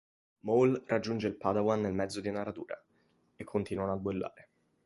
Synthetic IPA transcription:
mowlrʔad͡ʒːund͡ʒeilpad̪awanːelmɛd̪zːod̪iunarat̪uːɾa̰ | ekʰːont̪iːnwanabelːa̰ːɾe

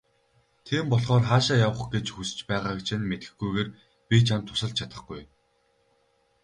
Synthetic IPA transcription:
t̪ʰiːmpɔɮχɔːrχaːʃaːjawə̆χɡet͡ɕxusɘ̥̆t͡ɕpæːʁaːkt͡ɕʰɪ̆nmet̪ɡɘ̥̆xɡujɣeːr | pʲit͡ɕʰant̪ʰːʊ̥sə̆ɮ̚t͡ɕʰat̪ə̆χɡuj

